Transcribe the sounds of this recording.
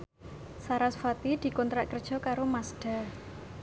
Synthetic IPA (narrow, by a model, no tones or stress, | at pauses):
saɾasfat̪id̪̥i̤kɔnt̪ɾaʔkərd̥ʒ̥ɔ̤kaɾomasɖ̥a̤